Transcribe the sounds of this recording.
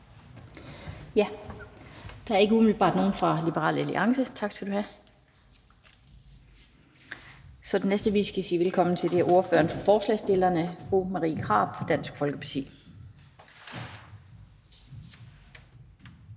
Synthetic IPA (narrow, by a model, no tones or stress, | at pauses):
jæ | d̥ɑ̈æɐe̝ɡ̥əumylb̥ɑ̰̈ːd̥no̝ːn̩fʁɑ̈lib̥əʁɑ̰ːlelə̰ʔɑ̈ŋsət͡sʰɑ̈ɡ̥sɡ̥æd̥uhæ | sɒ̽d̥enːesd̥əʋḭːsɡ̥æisḭːʋelkʰɒ̽mn̩t͡sʰe̝ld̥e̝æɐʔo̝ɐfø̰ːɐnfɒfɒːslɛ̰sd̥e̝lɐnəfʁṵːmɑʁḭːkʰʁɑ̈ːb̥fɒ̽d̥æn̰sɡ̥fɒ̽lɡ̥əpʰɑt͡sʰḭː